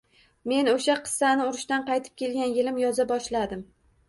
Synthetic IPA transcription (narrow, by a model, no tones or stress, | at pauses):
me̞noʃaqʰɨ̥sːanɪʊɾɪʃt̪anqɑjt̪ʰɪ̥p̚kʲʰe̞lɡʲanjɪlɪmjɒzabɒʃlad̪ɪm